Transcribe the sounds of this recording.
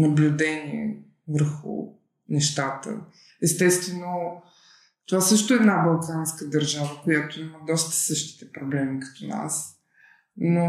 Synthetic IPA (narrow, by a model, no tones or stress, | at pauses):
nɐblʲud̪ɛniɛ̰ | vəɾxṵ | nɛʃt̪at̪ə̰ | ɛst̪ɛst̪vɛno | t̪ovasɤʃt̪oɛd̪nabɐlˠkanskəd̪ɐɾʒavəkojat̪oiməd̪ɔst̪ə̥sɤʃt̪i̥t̪ɛpɾoblɛmikɐ̥t̪ɔna̰s | no